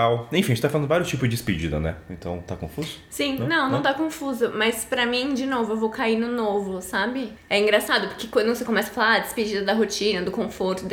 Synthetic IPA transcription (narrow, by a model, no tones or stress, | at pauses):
awẽfĩẽt͡ʃt̪afalɐ̃nʊvaɾjʊst͡ʃipʊzd͡ʒɪɪsped͡ʒid̪ɐ̰nɛ̰ẽt̪ɐ̰̃w̃t̪akõ̰fuzʊ̥sĩnɐ̃w̃nɐ̃w̃t̪akõfuzʊmɐspɾɐmĩd͡ʒɪnovʊewvowkainʊnovʊsabɪ | ɛĩŋɡɾasad̪ʊpʊɾkekɐ̃d̪̃w̃sekomɛsɐ̥falaɐd͡ʒ̪ɪsped͡ʒid̪ɐd̪ɐɦot͡ʃĩnɐd̪ʊkõfoɾt̪ʊ